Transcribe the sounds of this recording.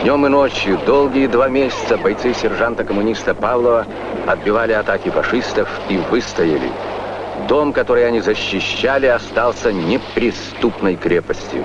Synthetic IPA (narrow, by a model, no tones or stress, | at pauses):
d̪ʲnʲo̞mɨnot͡ɕjʊd̪olˠɡʲɪjəd̪vamʲesʲɪ̥t̪səbɐjt̪sɨsʲɪrʐant̪əkəmʊnʲist̪əpavlˠəvə | ɐd̪̚bʲɪvalʲɪɐt̪akʲɪfɐʂɨst̪əf | ivɨst̪ɐjɪlʲɪ̰ | d̪omkɐt̪o̞ɾɨjɐnʲizəɕːɪɕːalʲɪɐst̪alˠsʲənʲɪpɾʲɪst̪upnəjkɾʲepəsʲtʲjʊ̰